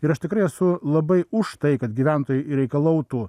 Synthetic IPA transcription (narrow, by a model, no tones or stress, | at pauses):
ɪɾɐʃt̪ʲɪkɾɐɪɛsʊlˠɐbɐɪʊʃt̪ɐɪkɐt̪ɡʲiʋʲænt̪oːjʊɾʲɛɪkɐlˠɐʊt̪uː